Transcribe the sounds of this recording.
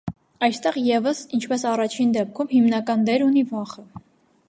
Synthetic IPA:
ɑjst̪ɛʁjɛvəsint͡ʃʰpɛsɑrɑt͡ʃʰind̪ɛp̚kʰumhimnɑkɑnd̪ɛɾunivɑχə

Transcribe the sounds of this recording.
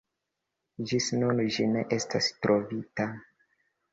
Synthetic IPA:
d͡ʒisnund͡ʒine̞ʔe̞stastɾʔovita

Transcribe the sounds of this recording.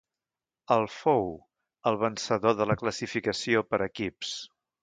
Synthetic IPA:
əlˠfow | əlˠβənsəðoðələkləsifikəsiopəɾəkips

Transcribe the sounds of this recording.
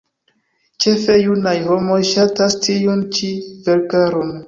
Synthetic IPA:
t͡ʃe̞fe̞junajho̞mo̞jʃatastiunt͡ʃive̞ɾkaɾo̞n

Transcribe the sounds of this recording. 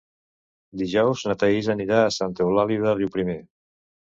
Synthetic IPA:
d̪iʒɔwznat̪aizəniɾaːsant̪eulaliðəriwpɾime

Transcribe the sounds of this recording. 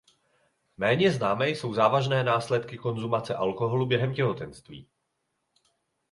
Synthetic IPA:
mɛːɲɛznaːmɛjso̞wzaːvaʒnɛːnaːslɛt̪kɪko̞nzumat͡sɛʔalko̞ɦo̞lubjɛɦɛmcɛɦo̞t̪ɛnst̪vḭː

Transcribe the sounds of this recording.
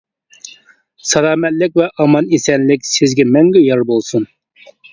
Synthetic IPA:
sɑlɑːmɛt̪lɪk̚ʲvɛʔɑmɑnisɛnlɪkʲsɪzɡʲɛmɛŋɡʲɛjɑɾbolˠsun

